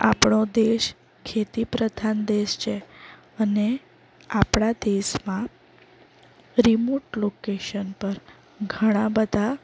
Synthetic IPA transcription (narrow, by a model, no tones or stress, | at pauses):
a̰pɳod̪eʃ | kʰet̪ipɾəd̪ʱand̪eʃt͡ʃʰe | əne | apɽad̪eʃmã | ɾimoʈlokeʃənpəɾ | ɡʱəɽ̃ãbəd̪ʱa